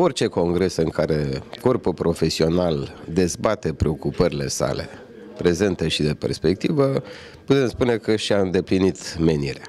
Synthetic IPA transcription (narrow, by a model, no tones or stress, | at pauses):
o̞rt͡ʃe̞ko̞ŋɡɾe̞sɨŋkaɾe̞ko̞rpulpɾo̞fe̞sio̞nald̪e̞zbat̪e̞pɾe̞o̞kupəɾile̞̰sa̰le̞̰ | pɾe̞ze̞nt̪eʃid̪e̞pe̞̰rspe̞k̚t̪ivə | put̪e̞mspune̞kəʃiaɨnd̪e̞plinit̪me̞niɾe